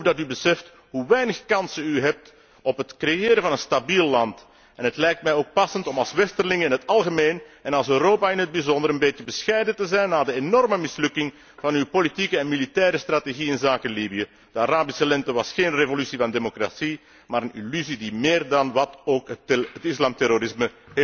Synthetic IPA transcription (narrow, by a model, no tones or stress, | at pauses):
vdɑtybəsɛft | ɦuʋɛjnəxkɑnsənyɦɛp̚t | ɔpətkrejɪːɾəvɑnənstabilːɑnt | ɛnɦətlɛjk̚tmɛjoːk̚pɑsəntɔmɑlˠsʋɛstərlɪŋɪnɦətɑlˠɣəmeːnɛnɑlˠsøːɾoːpaɪnɦəd̚bizɔndəɾənbeːtjəbəsxɛjdəntəzɛjnːaːdəenɔrməmɪslɵkɪŋ | vɑnywpolitikəɛnmilitɛːɾəst̪rateɣiɪnzaːkəlibijə | d̥əaɾaːbisəlɛntəʋɑsxeːnrevolysivɑndemokra̰si | maːɾənḭlyzidimeːrdɑnʋɑtoːkətɪslaːmtɛɾoɾɪsməɦe